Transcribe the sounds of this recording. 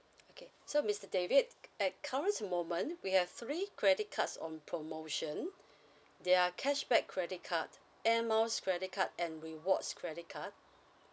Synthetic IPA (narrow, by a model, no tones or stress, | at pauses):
okʰe | somistədevid̚ɛt̚kʰaɹə̃nsmõmə̃nwihɛv̥θɹikʰɹɛdɪt̚kʰatsɔ̰̃npʰɹomoʃə̃n | deakʰɛʃbɛkʰːɹɛdɪt̚kʰat | ɛmaʊskʰɹɛɾɪt̚kʰat̚ɛ̃nɹiwɔtskʰɹɛɾɪt̚kʰat̚